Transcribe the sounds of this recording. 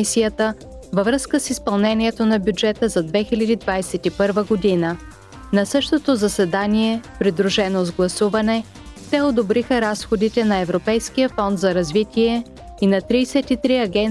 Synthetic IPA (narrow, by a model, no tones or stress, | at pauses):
isijət̪ə | vəvɾɤskəsispɐlˠnɛniɛt̪onɐbʲjud͡ʒɛt̪əzɐd̪vɛxilʲɐd̪id̪vajsɛt̪ipɤɾvəɡod̪inə | nɐsɤʃt̪ot̪ozɐsɛd̪aniɛpɾid̪ɾuʃɛnozɡlˠɐsuvɐnɛ | t̪ɛod̪obɾixəɾasxod̪it̪ɛnɐɛvɾopɛjskijəfɔnt̪zɐɾɐzvit̪ʲiɛ | inɐt̪ɾiːsɛt̪it̪ɾiɐɡʲɛn